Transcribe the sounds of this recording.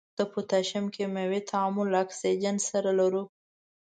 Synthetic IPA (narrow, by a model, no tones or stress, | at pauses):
d̪̥əpət̪aʃamkemawet̪ʰaamʊlːaaksid͡ʒansaɾalaɾu